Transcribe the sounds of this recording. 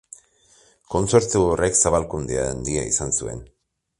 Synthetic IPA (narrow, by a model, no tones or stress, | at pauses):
ko̞nt͡se̞ɾt͡sureksaβalkund̪ea̰nd̪iaḭsansue̞̰n